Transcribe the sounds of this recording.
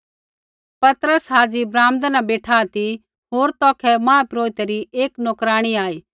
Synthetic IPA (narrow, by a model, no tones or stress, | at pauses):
pɐt̪ɾəsɦaːd͡ʒibɾaːmd̪anabeːʈʰaːt̪i | ɦoːɾt̪ɔːkʰɛmãːpɾoːɪt̪eɾieːknoːkɾaːɽ̃iaːiː